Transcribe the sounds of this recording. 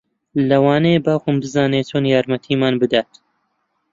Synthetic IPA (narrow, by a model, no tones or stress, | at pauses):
lɐwaːnebaːxʊmbɨzaːneːt̪ʰoːnjaːɾmɐt̪ʰiːmaːnbɨd̪aːt̪